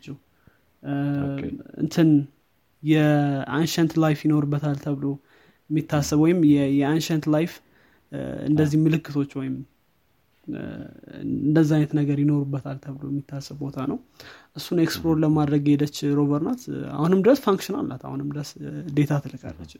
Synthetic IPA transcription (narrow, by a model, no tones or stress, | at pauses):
t͡ʃːɛ | ʔɨ̰nt̪ʰɨn | jɛʔanʃɛnt̪lajfjɪno̞ɾubːət̪ʰalt̪ʰəβlo̞ | jɛmːit̪ʰːasːəβwɔjɪmjɛjɛanʃɛnt̪lajf | ɨ̰nd̪əzːihmɨlɨkːɨt̪ʰo̞t͡ʃːwɔjɪm | ɨnd̪əzːajnət̪nəɡəɾjɪno̞ɾubːət̪ʰalt̪ʰəβlo̞jɛmːit̪ʰːasːəbbo̞t̪ʰanəwʔɨsːuneksploɾləmad̪ɾəɡhed̪ət͡ʃːɾo̞βəɾnat̪a̰hunɨmd̪ɾəsfaŋkʃɪna̰lʔa̰t̪a̰hunɨmd̪əsd̪e̞t̪ʰat̪ʰɨlɨkʰʼa̰lːə̰t͡ʃːɪ